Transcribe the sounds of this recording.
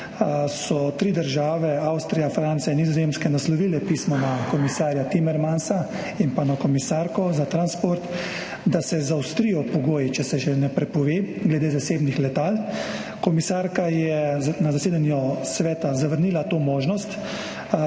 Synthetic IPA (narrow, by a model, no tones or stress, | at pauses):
sɔt̪ɾiːd̪əɾʒaːʋɛawst̪ɾijafɾant̪sijainːizɔzeːmskɛnaslɔʋiːlɛpiːsmɔnakɔmisaːɾjat̪imɛɾmansa | inpanakɔmisaɾkɔzat̪ɾanspoɾt̪ | d̪asɛzawst̪ɾijɔpɔɡoːjit͡ʃɛsɛʒɛnɛpɾɛpɔʋeːɡlɛd̪eːzaseːbnixlɛt̪aːl | kɔmisaːɾkajɛnazaseːd̪anjɔsʋɛːt̪azaʋəɾniːlat̪oːmoːʒnɔst̪